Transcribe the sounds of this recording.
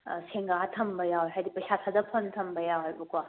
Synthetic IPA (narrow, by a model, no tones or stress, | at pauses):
seŋɡatʰɐmbɐjawɦajdipɐjsatʰadɐpʰontʰɐmbɐjawjbukwa